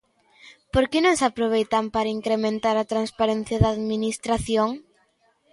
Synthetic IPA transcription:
poɾkɪnõŋsapɾoβ̞ejt̪ampaɾaiŋkɾemẽnt̪aɾat̪ɾanspaɾɛn̟θjɐðaːðminist̪ɾaθjoŋ

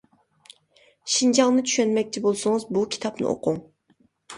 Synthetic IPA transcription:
ʃind͡ʒɑŋnɨt͡ʃʰy̥ʃɛnmɛk̚ʲt͡ʃʰibolˠsʊŋɨzbukʲʰi̥t̪ʰɑpnɨ̰ʔo̰qʰʊŋ

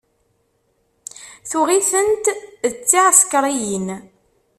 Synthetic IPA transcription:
θʊʁiθənt̪ət͡sːiʕskɾˤijin

